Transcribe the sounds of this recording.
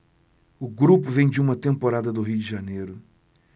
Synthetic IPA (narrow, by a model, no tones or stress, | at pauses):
ʊɡɾupʊvẽj̃d͡ʒɪũmɐt̪ẽmpoɾad̪ɐd̪ʊɦijʊd͡ʒɪʒanejɾʊ